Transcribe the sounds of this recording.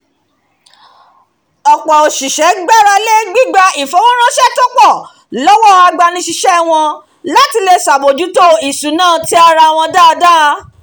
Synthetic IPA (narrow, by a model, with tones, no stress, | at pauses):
ɔ˨k͡pɔ˨o˨ʃi˨ʃɛ˨˦ɡ͡ba˦˨ɾa˧le˦ɡ͡bi˦ɡ͡ba˧i˨fo˨˦wɔ̃˦ɾ̃ã˦ʃɛ˦˨tɔ˦k͡pɔ˦˨ | lɔ˦wɔ˦a˧ɡ͡ba˧nĩ˧ʃi˧ʃɛ˦˨w̃ɔ̃˧ | la˦ti˧le˧sa˨bo˨d͡ʒu˨˦to˦i˨su˨˦nãː˦˨ti˦a˧ɾa˧˨w̃ɔ̃˧da˦ɔ˧da˦˧